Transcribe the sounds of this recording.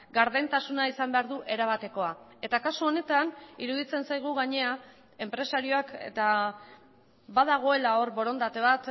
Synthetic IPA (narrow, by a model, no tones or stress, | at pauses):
ɡaɾðent̪asunaisambe̞aɾðuʔe̞ɾaβ̞at̪e̞ko̞a | e̞t̪akasuo̞ne̞t̪aniɾuðit͡se̞nsajɣ̞uɣaɲe̞a | e̞mpɾe̞saɾio̞akḛt̪a | βaðaɣ̞o̞e̞lao̞ɾβo̞ɾo̞nd̪at̪e̞β̞at̪